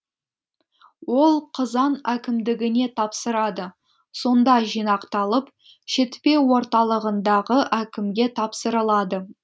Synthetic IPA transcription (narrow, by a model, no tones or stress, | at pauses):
wo̞lˠqʰəzɑnækʲɪmd̪ɪɡʲɪne̞t̪ʰɑpsəɾɑd̪ə | so̞nd̪ɑʒijnɑqt̪ɑlˠəp | ʃet̪pe̞wo̞ɾt̪ɑlˠəʁənd̪ɑʁəʔækʲɪmɡʲe̞t̪ʰɑpsəɾəlˠɑd̪ə